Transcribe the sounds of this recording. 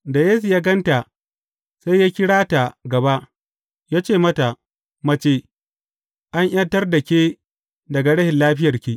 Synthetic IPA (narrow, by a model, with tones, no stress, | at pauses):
da˨jeː˦s̬u˨jaː˦ɡɐ˦nta˨ | sa˦jaː˦kʲɪ˦ɽaː˦ta˨ɡɐ˨ba˦ʔ | jaː˦t͡ʃeː˦˨mɐ˦ta˨ | mɐ˦t͡ʃeː˦ | ʔa˦ɲʔj̰ɐ˦tɐ˦rda˨kʲeː˦ | dɐ˨ɡa˨ɽɐ˦hɪ˨nlaː˦ɸɪ˦jɐ˨rkʲiː˦˨ʔ